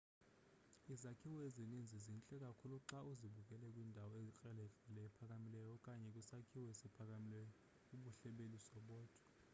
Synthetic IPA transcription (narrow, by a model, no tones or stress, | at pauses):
izakʰiwɔezinind͡zʱizint͡ɬʼɛk̬ʼakʰuluǁauziɓuk̬ʼɛlɛkʼwindʱawɔekʼɛlɛɮɛlɛɛpʰak̬ʼamilɛjɔkʼaɲɛkʼisakʰiwesipʰak̬ʼamilɛjɔ | uɓuɬɛɓelisɔɓɔːtʰʼḁ